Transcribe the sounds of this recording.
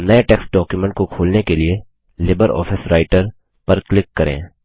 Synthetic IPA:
nɐeʈɛːksʈ̚ɖɔːkjumɛ̃ɳʈ̚kokʰoːlnekelie | lɪbəɾɔ̰ːfʰɪsɾaːɪʈəɾ | pɐɾklɪkːɐɾḛ̃ː

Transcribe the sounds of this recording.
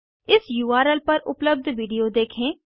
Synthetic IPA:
ɪsjuːaːɾəlpɐɾʊ̰pləb̚d̪ʱʋiːɖijod̪eːkʰẽː

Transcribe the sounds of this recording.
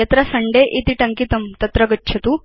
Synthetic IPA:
et̪ɾasɐɳɖeʔit̪iʈɐŋkit̪ɐmt̪ɐt̪ɾɐɡɐtːɕʰɐt̪u

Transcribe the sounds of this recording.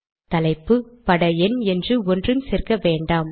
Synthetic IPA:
t̪ɐlɐɪpːɯpɐɽɐɛnɛndrɯɔndrɯmsɛrkɐʋeːɳɖaːm

